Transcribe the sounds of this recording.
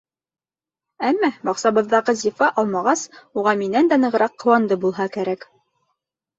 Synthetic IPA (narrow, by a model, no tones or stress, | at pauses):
æmːæbɑqsɑβɤ̆ðːɑʁɤzifɑʔɑlˠmɑʁɑsuʁɑminænd̪ænɤ̆ʁɤ̆ɾɑqːɤ̆wɑnd̪ɤbulˠɦɑkæɾæk